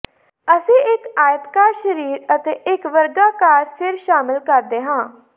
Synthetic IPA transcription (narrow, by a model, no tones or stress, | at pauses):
əsĩːɪkaːjət̪kaːɾʃəɾiːɾət̪eːʔɪkʋəɾɡaːkaːɾsɪɾʃaːmɪlkəɾd̪eːɦãː